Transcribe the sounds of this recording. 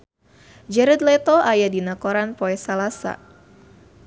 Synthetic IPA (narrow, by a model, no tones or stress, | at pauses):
d͡ʒɛɾɛd̪lɛt̪ɔʔajadinakoɾanpoɛsalasa̰